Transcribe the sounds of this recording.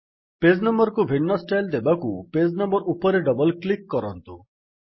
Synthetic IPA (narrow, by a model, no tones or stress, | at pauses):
ped͡ʒnɔmbɔɾkubʱiɳːɔsʈajld̪ebakuped͡ʒnɔmbɔɾupɔɾeɖɔbɔlklikːɔɾɔnt̪u